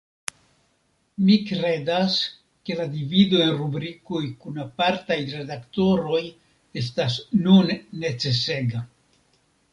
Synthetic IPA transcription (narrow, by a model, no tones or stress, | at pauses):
mikɾe̞das | ke̞ladivido̞e̞nɾubɾikojkunapaɾtajɾe̞dakto̞ɾo̞j | e̞s̬tasnunːe̞t͡se̞se̞ɡa